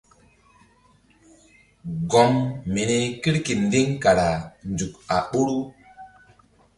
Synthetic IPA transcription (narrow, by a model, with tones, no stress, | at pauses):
ɡɔ˨mme˨ne˨ki˦ɾki˨n˦di˦ŋka˨ɾa˨n˨d͡ʒu˨ka˨ɓo˦ɾu˦